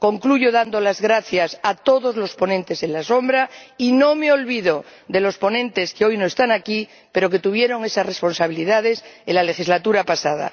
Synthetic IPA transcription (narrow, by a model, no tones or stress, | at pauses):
ko̞ŋkluʝoðand̪olazɣɾaθjasat̪o̞ðo̞zlo̞spo̞nẽnt̪e̞senlaso̞mbɾainõ̞me̞olβiðod̪e̞lo̞spo̞nẽ̞nt̪e̞skeo̞jnoest̪aŋaki | pe̞ɾo̞k̬e̞t̪uβ̞je̞ɾo̞ŋesasrespo̞nsaβ̞iliðað̞eselale̞xizlat̪uɾapasað̞a̰